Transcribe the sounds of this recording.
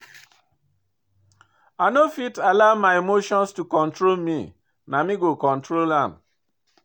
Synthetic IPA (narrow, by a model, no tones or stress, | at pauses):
anofitalaʊmaemoʃɔ̃nstukɔ̃ntɹolmi | namiɡokɔ̃ntɹolãm